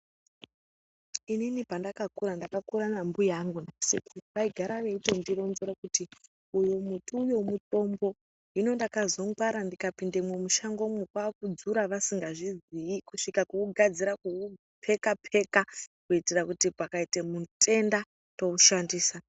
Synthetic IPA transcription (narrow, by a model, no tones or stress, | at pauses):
ininipandakakuɾandakakuɾanambujaŋɡunasikuʋaiɡʱaɾaʋe̞itendiɾo̞nzeɾakuti | ujomutuːjo̞muto̞mbo̞ | ino̞ndakazo̞ŋɡwaɾandikapindemwemuʃaŋɡo̞mwekwakud͡zuɾaʋasiŋɡaʐiziikuʂikakuuɡʱad͡ziɾaku | pʰe̞kapʰe̞kakuitirakutipakaitemutʼe̞nda | to̞uʃandiːsa